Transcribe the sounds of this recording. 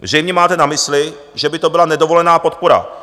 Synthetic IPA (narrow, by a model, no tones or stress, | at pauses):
vr̝ɛjmɲɛmaːt̪ɛnamɪslɪ | ʒɛbɪt̪obɪlanɛdo̞vo̞lɛnaːpo̞t̪poɾa̰